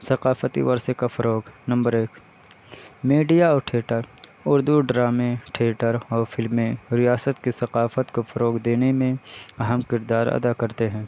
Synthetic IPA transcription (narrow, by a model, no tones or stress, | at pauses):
sɐqaːfət̪ḭʋɐɾsekafɐɾoːɡnɐ̃mbəɾeːk | miːɖijaɔːɾʈʰeːʈəɾʊɾd̪uɖɾaːmeʈʰeːʈəɾɔːɾfɪlmẽɾɪjaːsət̪kisɐqaːfət̪kofɐɾoːɡd̪eːnemẽɐɦəmkɪɾd̪aːɾɐ̰d̪akɐɾt̪eɦɛ̃ː